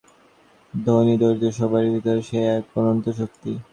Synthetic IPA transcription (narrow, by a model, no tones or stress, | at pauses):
d̪ʱonid̪oɾd͡ʑoʃɔbʱaɾid̪ik̪aɾʃeaponont̪oʃok̚t̪i